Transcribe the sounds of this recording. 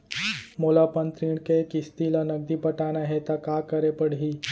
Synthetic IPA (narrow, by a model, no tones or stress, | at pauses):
molapənt̪ɾiːɽ̃kekɪst̪ilanɐɡ̚d̪ipɐʈaːnaɦɛt̪akaːkɐɾepəɽ̤ɦi